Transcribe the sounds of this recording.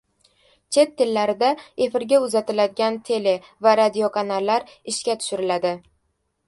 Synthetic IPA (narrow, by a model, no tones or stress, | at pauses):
t͡ʃʰe̞t̪ʰːɪlːaɾɪd̪ae̞fɪɾɡʲaʊzat̪ɪlad̪ɪɡʲant̪ʰe̞le̞vaɾad̪io̞kʰanalːaɾɪʃkʲat̪ʰʊ̥ʃɪɾɪlad̪ɪ